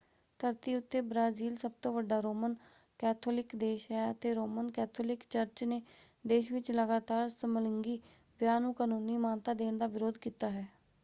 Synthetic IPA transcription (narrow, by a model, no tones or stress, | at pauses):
t̪ʰəɾt̪iːʊt̪ʰːeːbɾaːziːlsəb̚t̪õːʋəɖaːɾoːmən | kɛːt̪ʰoːlɪkd̪eːʃɦɛːət̪eːɾoːmənkɛːt̪ʰoːlɪkt͡ʃəɾt͡ʃneː | d̪eːʃʋɪt͡ʃləɡaːt̪aːɾsəmələŋɡiː | ʋjaːnũːkaːnũːniːmaːnt̪aːd̪eːɳd̪aːʋɪɾoːd̪kiːt̪aːɦɛː